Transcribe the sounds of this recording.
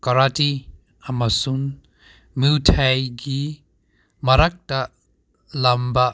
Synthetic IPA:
kɐɾati | ɐmɐsun | miwtʰajɡi | mɐɾak̚tɐ | lɐmbɐ

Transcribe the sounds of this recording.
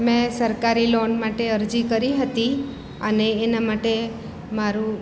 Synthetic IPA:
mɛ̃səɾkaɾilonmaʈeəɾd͡ʒikəɾiɦət̪i | əneːnamaʈe | maɾũ

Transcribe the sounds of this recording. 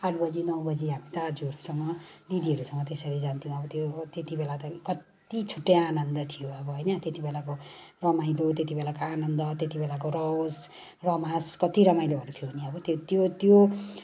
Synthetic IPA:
aʈʰbʌd͡zinʌwbʌd͡ziɦamit̪ad͡zuʌɾusʌmːʌd̪id̪iʌɾusʌŋːʌt̪esʌɾid͡zant̪iũʌbʌt̪jot̪et̪ibelat̪ʌkʌt̪ | it͡sʰuʈːeanʌnd̪ʌt̪ʰijoʌbʌɦʌjnʌt̪jet̪ibelakorʌmajlot̪jet̪̬ibelakoanʌnd̪ʌt̪et̪ibelak̬orʌos | rʌmaskʌt̪iɾʌmajloɦʌɾut̪ʰijobʱʌniʌbʌt̪ot̪jot̪jo

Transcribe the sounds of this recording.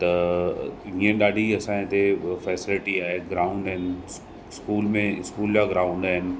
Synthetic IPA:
t̪ɐ | ɦĩːə̃ɗaːɖʱiɐsãːẽt̪efɛːsɪlɪʈiaːɦeɡɾaːʊ̃ɳɖaːɦɪnɪ̆ | skuːlmẽɪskuːld͡ʑaɡɾaːʊ̃ɳɖaːɦɪnɪ̆

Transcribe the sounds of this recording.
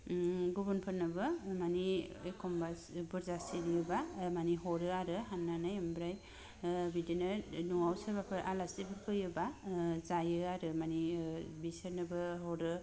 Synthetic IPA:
ɡubunpʰɯɾnɯbɯmaniekʰɔmba | bɯɾzasiɾijɯbamaniɦɔɾɯaɾɯɦanːanɯjambɾaj | bidinɯnuwawsaɾbapʰɯɾʔalasibɯɾkʰɯjɯbazajɯaɾɯmanibisɯɾnɯbɯɦɔɾɯ

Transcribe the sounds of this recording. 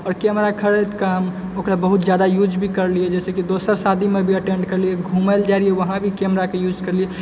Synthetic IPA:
ɔːɾkɛmɾakʰəɾet̪kam | okɾabəɦut̪d͡ʒjad̪ajud͡ʒbʱikəɾliɛd͡ʒɛːsekid̪osəɾsad̪ʱimebʱiəʈẽɳɖkəɾlieɡʱuməld͡ʒaɾieʋəɦãbʱikɛmɾakejud͡ʒkəɾlie

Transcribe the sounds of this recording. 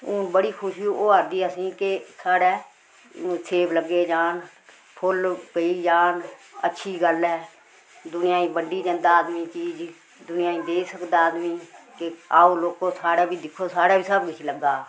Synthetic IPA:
ʊnbəɽiːkʰʊʃiuːoːəɾd̪iːəsĩːkesaːɽɛː | sʰeːbləɡːeːd͡ʒaːn | pʰʊlpəiːd͡ʒaːnətːʃʰiːɡəlɛː | d̪ʊnɪjaːĩːbəɳɖiːd͡ʒə̃nd̪aːd̪mĩːt͡ʃiːd͡ʒ | d̪ʊnɪjãːĩːd̪eːsəkd̪aːd̪mĩːkeaːoːloːkoːsaːɽɛːbʱiːd̪ɪkʰːoːsaːɽaːbiːsəbkɪt͡ʃʰiləɡaː

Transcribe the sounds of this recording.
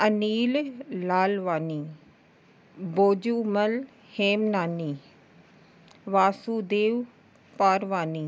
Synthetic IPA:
əniːlːaːlʋaːniː | boːd͡ʒuːməl | heːmnaːniː | ʋaːsuːd̪eːʋ | paːɾʋaːniː

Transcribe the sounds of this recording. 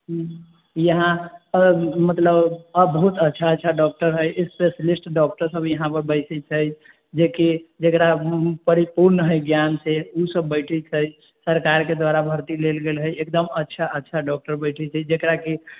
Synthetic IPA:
ɦ | jəɦã | mət̪ləbəbəɦut̪ətːʃʰaətːʃʰaɖɔk̚ʈəɾɦəjspesəlisʈɖɔk̚ʈəɾsəbʱjəɦãpəɾbəɪsɛt͡ʃʰəj | d͡ʒekid͡ʒekɾapəɾipuɾnɦəjɡjanseusəbːəɪʈʰɛt͡ʃʰəj | səɾkaɾked̪waɾabʱəɾt̪ilelɡelɦəjekd̪əmətːʃʰaʔətːʃʰaɖɔk̚ʈəɾbəɪʈʰɛt͡ʃʰəd͡ʒekɾaki

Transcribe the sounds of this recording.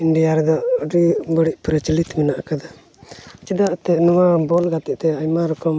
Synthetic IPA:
inɖijaɾɛd̪ɔʔɖibəɽiʔ̚pɾət͡ʃilit̪minaʔkad̪a | t͡ʃid̪aʔt̪ɛnɔwabɔlɡat̪ɛʔt̪ɛajmaɾɔkɔm

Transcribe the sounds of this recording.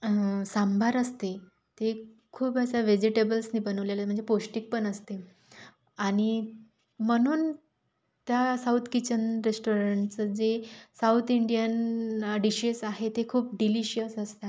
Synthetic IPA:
sambʱaɾəst̪e | t̪ekʰuːpəsaʋed͡ʑiʈebəlsniːbənəʋlelam̤əɳd͡zeposʈik̚pəɳəst̪e | aɽ̃i | məñuːn | t̪jasaut̪ʰkit͡ɕənɾesʈoɾəɳʈt͡səd͡zesaut̪ʰiɳɖijənɖiɕisaɦet̪ekʰuːp̚ɖiliɕijəsəst̪a

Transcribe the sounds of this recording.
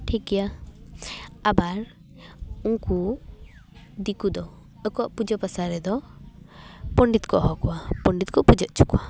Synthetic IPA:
ʈʰikɛja | abaɾ | uŋku | d̪ikud̪ɔ | əkɔaʔpud͡ʒəpasaɾɛd̪ɔ | pɔɳɖit̪̚kʰɔʔɦɔkɔwapɔɳɖit̪̚kɔʔpud͡ʒəʔ̚t͡ʃʰukɔa

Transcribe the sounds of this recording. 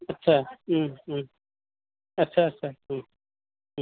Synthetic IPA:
ɐtːɕʰaː | ɐtːɕʰaɐtːt͡ʃʰa

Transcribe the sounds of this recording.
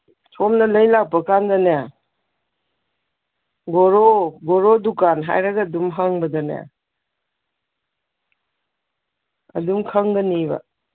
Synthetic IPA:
tʰɔmnɐlɐjlak̚pɐkandana | ɡɔɾoɡɔɾodukanɦa̰jɾɐɡɐdumɦaŋbɐdɐna̰ | ɐ̰dumkʰɐŋɡɐnibɐ̰

